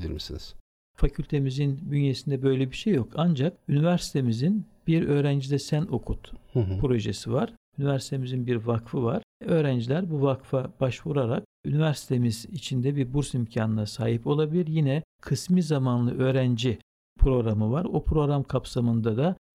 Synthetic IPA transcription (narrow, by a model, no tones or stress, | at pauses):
bilʲiɾmisḭniz̥ | facʰylʲt̪ʰe̞mizinbynje̞sind̪ɛbø̞jlʲebiʃejːo̞kʰand͡ʒakynivæɾsi̥t̪ʰemizinb̥iɾø̞ːɾænd͡ʒid̪ɛsæno̞kʰut̪pɾo̞ʒesivaɾ̥ | ynivæɾsi̥t̪ʰe̞mizinbiɾvakfɯvaɾ̥ø̞ːɾænd͡ʒilʲæɾbuvakfab̥aʃvuɾaɾak̚ynivæɾsi̥t̪ʰemizit͡ʃʰind̪ɛbiɾbuɾsimcʰaːnɯnasaːɦipo̞lˠabilʲiɾjinɛkʰɯsmizamanlˠɯʔø̞ːɾænd͡ʒi | pʰɾo̞ɡɾamɯvaɾopʰɾo̞ɾamkʰapsamɯnd̪ad̪a